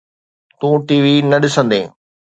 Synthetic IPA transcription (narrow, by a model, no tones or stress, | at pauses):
t̪ũːʈiːʋinɐɗɪsə̃nd̪ḛ̃ː